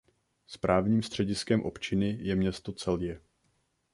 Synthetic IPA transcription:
spɾaːvɲiːmst̪r̥ɛɟɪskɛmʔo̞̰pt͡ʃɪnɪjɛmɲɛst̪o̞t͡sɛljɛ

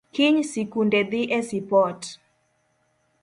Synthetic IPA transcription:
kiɲsikundɛd̪iʔɛsipɔt

